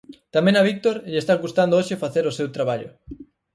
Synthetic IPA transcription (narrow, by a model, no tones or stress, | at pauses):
t̪amẽŋaβ̞ik̚t̪oɾʎest̪aɣust̪and̪ooʃefaθeɾosewt̪ɾaβaʎʊ̰